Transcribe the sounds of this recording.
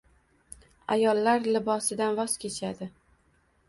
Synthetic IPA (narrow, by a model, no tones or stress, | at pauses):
ajɒlːaɾlɪbɒsɪd̪anvɒz̥kʲʰe̞t͡ʃʰad̪ɪ